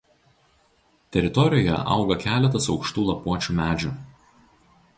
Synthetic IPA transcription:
t̪ʲɛɾʲɪt̪ɔɾʲɪjoːjɛ̰ʔɐ̰ˑʊɡɐkʲæːlʲɛt̪̬ɐsɒʊkʃt̪uːlˠɐpuɔt͡ʃʲuːmʲæːd͡ʒʲuːˑ

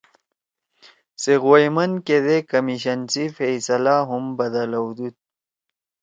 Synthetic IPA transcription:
seɣojmɐnked̪ekɐmiɕɐnsifejsɐlaɦumbɐd̪ɐlawd̪ut̪̚

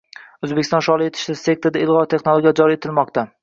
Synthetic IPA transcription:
ɵzbekʲʰɪst̪ɒ̃nʃɒlˠɪe̞t̪ʰɪ̥ʃlase̞k̚t̪oɾd̪aɪlˠʁɒt̪ʰe̞χnolˠoɡʲijad͡ʒɒɾie̞t̪ʰɪlmɒqt̪a

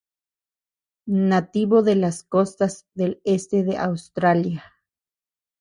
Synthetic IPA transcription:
nat̪iβoðelaskost̪azðelest̪eðeʔawst̪ɾalja

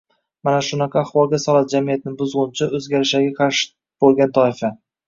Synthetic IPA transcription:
manaʃʊnɑqʰɑːχwɒlˠɡʲasɒlat̪̚d͡ʒamijat̪̚ɪnɪbʊzʁʊnt͡ʃʰɪʔɵzɡʲaɾɪʃaɡʲaqʰɑɾʃɪ̥ | b̥olˠɡʲant̪ʰɒɪfa

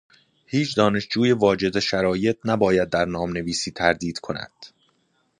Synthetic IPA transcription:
hiːt͡ʃʰd̪ɒːne̞ʃd͡ʒuːjevɒːd͡ʒe̞d̪eʃæɾɒːje̞t̪̚ʰnæbɒːjæd̪̚ːæɾnɒːmne̞viːsiːt̪ʰæɾd̪iːd̪̥kʰo̞næ̰d̪̥

